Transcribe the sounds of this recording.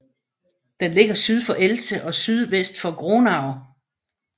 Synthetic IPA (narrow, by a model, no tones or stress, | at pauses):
d̥enle̝ɡ̥ɐsyð̞ˠfɒ̽ʔelsəʔɒ̽syð̞ˠʋesd̥fɒ̽ɡ̥ʁonɑ̈ʊ